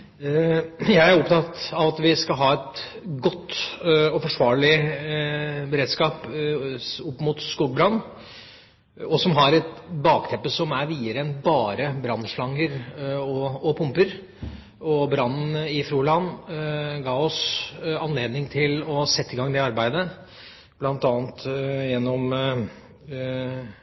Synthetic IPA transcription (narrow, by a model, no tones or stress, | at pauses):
jæɪæɾɔpt̪ʰɑt̪ɑʋɑt̪ʋɪskɑlɦɑːɛt̪ | ɡɔt̪ːɔfɔʂʋɑːɭɪ | bɛɾeːd̪skɑːp | ʊpːmʊːt̪skuɡ̚bɾɑnː | ɔsɔmɦɑɾɛt̪bɑːkt̪ʰɛmpːəsɔmæɾʋiːəɾəɛnbɑːɾəbɾɑnːʂɭɑŋːəɾɔɔpʰʊmpəɾ | ɔbɾɑnːn̩ɪfɾuːlɑn | ɡɑːɔsɑnleːd̪nɪŋt̪ʰɪlɔsɛt̪ːɪɡɑŋːd̪ɛɑɾbæɪd̪ə | b̥lɑnt̪ɑːnt̪jɛnːɔm